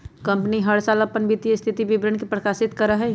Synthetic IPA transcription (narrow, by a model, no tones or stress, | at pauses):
kɐ̃mpəniɦəɽsaːlɐpːənbit̪iəst̪ʰɪt̪iʋɪʋɾənkepɾəkaːsɪt̪kəɾəɦɛ